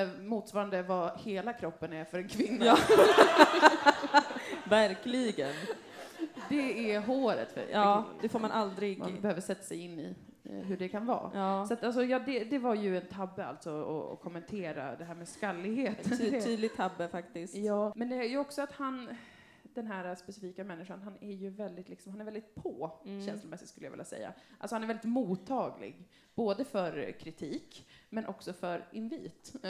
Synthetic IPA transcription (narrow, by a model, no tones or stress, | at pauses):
muːt̪svɑːɾand̪əvaheːlakʰɾɔpːənæɾfœɾɛnkʰvɪnːaː | væɾkliɡən | d̪ɛɛɦoːɾə̰t̪fə̰ɛ̰ːd̪̥ɛfoːɾmanʔald̪ɾɪɡbɛhøːvəʂɛt̪ːḁsɛjɪnːɪ̰ | ɦɵɖɛkʰanvɑ̰ːsat̪als̬ɔjɑːd̪ɛd̪ɛvaɾjɵɛnt̪ʰabːəa̰lt̪sɔɔ̰ɔ̰kʰɔmːɛnt̪ʰeːɾa̰d̪ɛɦæːɾmɛskalːɪɡheːt̪ːyːd̪lɪt̪ʰːabːəfakt̪ɪsjɑːmɛnd̪ɛæɾjɵɔksɔat̪han | d̪ɛnɦæːɾaspɛsɪfiːkamɛnːɪʂanɦanæɾjɵvɛld̪ɪt̪lɪksɔmhanɛɾvɛld̪ɪt̪̚pʰoːɕɛnslʊlmɛsːɪt̪skɵlːəjavɪ̰lːa̰sɛ̰jːa̰alsɔhanɛɾvɛlɪt̪muːt̪ʰːɑːɡlɪ̰ɡ | b̥oːd̪əfœɾkʰɾɪt̪ʰiːkmɛnʔɔksɔfœɾʔɪnviːt̪